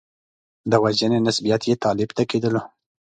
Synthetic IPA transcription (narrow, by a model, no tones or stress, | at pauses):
d̪əwaʒənenasbijɑt̪jet̪ɑlɪbt̪aked̪əlo